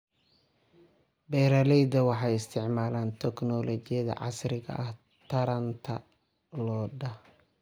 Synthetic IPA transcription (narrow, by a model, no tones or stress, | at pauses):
bɛːɾɐlɛjd̪ɐwɑħɑjɪst̪ʰɪʕmaːlaːnt̪ʰɛknɔlɔt͡ʃɪjɐðɐ̰ʕɑ̰sɾɪɣɐ̰ʔɐh | t̪ʰɐɾɐnt̪ʰɐ | lɔːɖɐh